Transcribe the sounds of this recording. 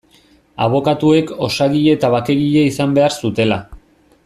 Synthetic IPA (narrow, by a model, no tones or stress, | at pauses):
a̰β̞o̞kat̪ue̞ko̞saɣiʎe̞ːt̪aβ̞ake̞ɣiʎeisambe̞aɾsut̪e̞la